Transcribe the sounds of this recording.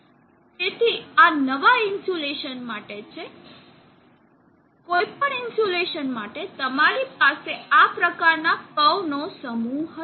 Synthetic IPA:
d͡ʒet̪ʰianəʋainsoleʃənmaʈet͡ʃʰe | kojpəɳɪnsoleʃənmaʈet̪əmaɾip̚aseapɾəkaɾnakəʋnosəmuɦə

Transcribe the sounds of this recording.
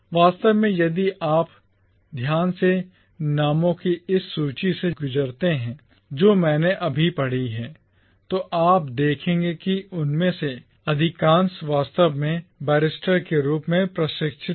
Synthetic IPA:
ʋaːst̪əʋmẽjɐd̪iʔaːp | d̪ʱjaːnse | naːmõkiɪsːuːt͡ʃiseɡʊd͡ʒəɾt̪eɦɛ̃ː | d͡ʒoːmɛ̃ːneʔɐbʱipɐɽ̤iɦɛː | t̪oʔaːp̚d̪eːkʰẽːŋɡekiʊnmẽse | ɐd̪ʱɪkãːnsʋaːst̪əʋmẽbɛːɾɪsʈəɾkeɾuːpmẽpɾɐʃɪkʃʰɪ

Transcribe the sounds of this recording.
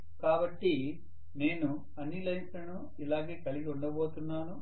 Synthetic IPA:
kaːbɐʈːi | ne̞ːnu | ɐnilɐjʈɐnu | ilaːɡe̞ːkɐliɡɐuɳɖɐbo̞ːt̪unːaːnu

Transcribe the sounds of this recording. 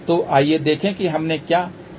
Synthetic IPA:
t̪oʔaːied̪eːkʰẽkiɦɐmnekjaː

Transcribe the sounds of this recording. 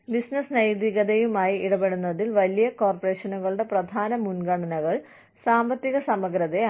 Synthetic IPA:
bisnɐsnɐjd̪iɣɐðejumaːjiiɽɐbe̞ɽunːɐðilʋɐlijɐko̞ːrpɐreːɕɐnuɣɐɭuɽe̞prɐd̪ʱaːnɐmunɡɐɳɐnɐɣɐɭ | saːmbɐt̪ːiɣɐsɐmɐɡɾɐðe

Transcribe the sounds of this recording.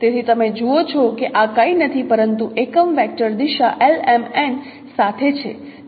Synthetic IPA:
t̪et̪ʰit̪əmed͡ʒuot͡ʃʰɔkeʔakəinət̪ʰipəɾənt̪uʔekəmʋɛk̚ʈəɾd̪iʃaʔelemen | sat̪ʰet͡ʃʰḛ

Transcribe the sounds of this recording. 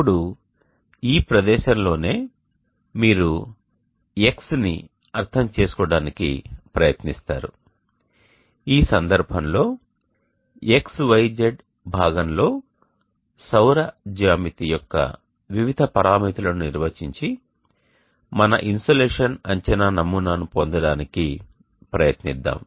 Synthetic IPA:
uɽu | iːpɾɐd̪ɛːʃɐnlo̞ːne̞ː | miːɾu | e̞ksnḭ | ɐɾt̪ʰɐmt͡ʃe̞ːsu̥kɔːɽaːnikḭpɾɐjɐt̪nist̪a̰ːɾṵ | iːsɐnd̪ɐɾbʱɐmlo̞ː | eksʋɐjd͡ʒeɖ | bʱaːɡɐmlo̞ː | sɐwɾɐd͡ʒaːmit̪ijɔkːɐ̰ | ʋiʋid̪ʱɐpɐɾaːmiːt̪ulɐnuniɾʋɐt͡ʃiɲt͡ʃi | mɐnɐ̰ʔinsoleːʂɐnɐɲt͡ʃɐnaːnɐmuːnaːnupond̪ɐɽaːniki | pɾɐjɐt̪nid̪ːa̰ːm

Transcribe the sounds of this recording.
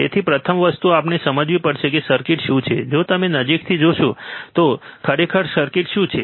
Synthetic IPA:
ḛt̪ʰipɾət̪ʰəmʋəst̪uapnesəməd͡ʒʋipəɽʃekesəɾkɪʈʃũt͡ʃʰed͡ʒot̪əmenəd͡ʒikt̪ʰid͡ʒoʃõt̪okʰəɾekʰəɾsəɾkɪʈʃũt͡ʃʰe

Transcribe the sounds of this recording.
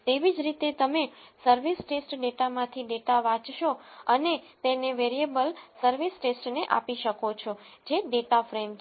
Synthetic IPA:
t̪eʋid͡ʒɾit̪et̪əmesəɾʋisʈesʈɖeʈamãt̪ʰiɖeʈaʋãt͡ʃʃoənet̪eneʋeɾiebəlsəɾʋisʈesʈneʔa̰piʃəkot͡ʃʰod͡ʒeɖeʈafɾem

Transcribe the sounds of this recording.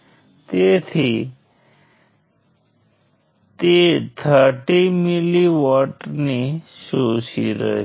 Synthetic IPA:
t̪et̪ʰi | t̪et̪ʰəʈimiliʋaʈnisoːsiɾə̰

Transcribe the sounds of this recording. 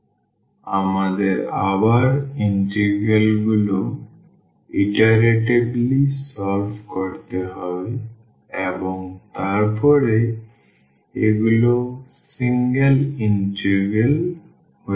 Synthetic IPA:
a̰mad̪eɾabaɾinʈeɾɡelɡulo | iʈaɾeʈeblisɔlbkɔɾt̪eɦɔbe | ebɔŋt̪aɾpʰɔɾe | eɡulo | siŋɡelinʈeɾɡel | ho

